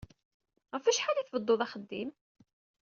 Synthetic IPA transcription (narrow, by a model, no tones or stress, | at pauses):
ʁəfæʃħaliθvəd̪ˤːoðˤɑχəd̪ːim